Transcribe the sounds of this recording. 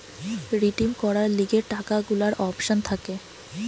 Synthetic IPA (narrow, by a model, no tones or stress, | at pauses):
ɾiʈimkɔɾaɾliɡeɾʈakaɡulaɾʔɔpʃont̪ʰake